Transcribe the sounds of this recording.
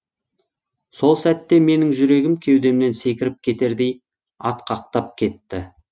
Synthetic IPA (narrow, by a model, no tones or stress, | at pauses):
so̞lˠsæt̪ːe̞me̞nɪŋʒʏɾe̞ɡʲɪmkʲʰe̞wd̪e̞mne̞nse̞kʲɪɾɪp̚kʲʰe̞t̪e̞ɾd̪e̞j | ɑt̪qʰɑq̚t̪ɑp̚kʲʰe̞t̪ːɪ